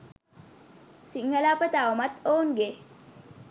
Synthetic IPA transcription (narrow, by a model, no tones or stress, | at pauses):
siŋːəlapət̪awmat̪oːnɡe